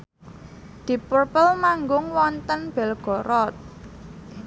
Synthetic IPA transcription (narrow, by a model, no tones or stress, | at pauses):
d̪̥i̤purpəlmaŋɡʊŋwɔnt̪ənb̥ɛ̤lɡ̥ɔ̤ɾɔt̪̚